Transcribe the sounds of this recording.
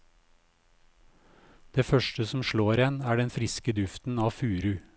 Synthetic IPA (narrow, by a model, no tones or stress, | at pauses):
d̪̥eːfœʃʈəsɔm̩ʃloːɾjɛnæːɖɛnfɾɪskəd̪ʉft̪n̩ɑːfʉːɾʉ